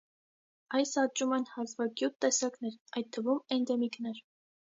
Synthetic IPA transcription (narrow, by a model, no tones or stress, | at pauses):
ɑjsɑt͡ʃumɛnhɑzvɑɡjut̪ːɛsɑknɛɾɑjt̪̚t̪ʰːəvumɛnd̪ɛmiknɛɾ